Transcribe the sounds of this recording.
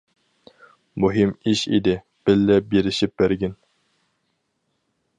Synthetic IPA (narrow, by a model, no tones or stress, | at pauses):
muɦimiʃḭd̪ɪ | b̥ɪlːɛbeɾɪʃip̚bæɾɡʲɪn